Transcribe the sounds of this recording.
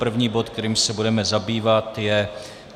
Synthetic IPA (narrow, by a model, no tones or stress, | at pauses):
pr̩vɲiːbo̞t̪kt̪ɛɾiːmsɛbudɛmɛzabiːvat̪jɛ